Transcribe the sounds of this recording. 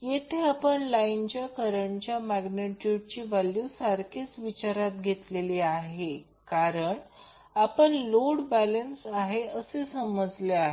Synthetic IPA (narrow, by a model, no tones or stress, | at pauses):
jet̪ʰeapəɳlaint͡ɕjakəɾəɳt͡ɕjamæɡneʈuʈ̚t͡ɕiːʋaljusaɾkʰet͡sʋit͡ɕaɾat̪ɡʱet̪leliaɦe | kaɾəɳ | apəɳloɽbælənsaɦeəsesəməd͡zleaɦe